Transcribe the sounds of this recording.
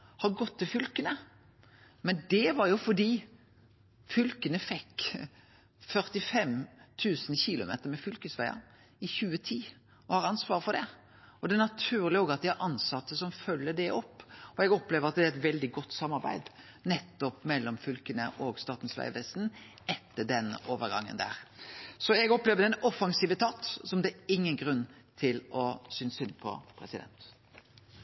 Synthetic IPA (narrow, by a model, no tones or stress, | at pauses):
hɑɾɡɔt̪ːɪlfʏlkənə | mɛnd̪ɛʋɑɾjʊfɔɖ̪iː | fʏlkənəfɛkː | fœɾt̪ɪfɛmt̪ʰʉːsnçɪlʊ̰mḛːt̪əɾmɛfʏlkəsʋæɪə̰ | ɪçʉːət̪ʰiː | ɔhɑɾɑnsʋɑːʁəfɔd̪ɛ | ɔd̪ɛːnɑt̪ʰʉːɾlɪoːɡɑt̪̚d̪ɪhæɾʔɑnsɑt̪ːəsɔmfœlːəd̪ɛʔɔpːɔɛɡɔpleːʋəɾɑt̪̚d̪ɛːɾɛt̪ʋɛld̪ɪɡɔt̪ːsɑmːɑɾbæ̰ɪd̪ | nɛt̪ːɔpmɛlːɔmfʏlkənəʔɔɡst̪ɑːt̪n̩sʋæ̰ɪəʋɛst̪n̩ | ɛt̪ːəɖɛnoːʋəɾɡɑ̰ŋːə̰nd̪æ̰ːɾsɔɛɡɔpleːʋəd̪ɛnɔfɑŋsiːʋət̪ʰɑːt̪sɔmd̪ɛæɪŋːənɡɾʉnːt̪ʰɪlɔsʏnsʏnpʰɔ̰pʰɾɛsɪd̪ɛ̰nt̪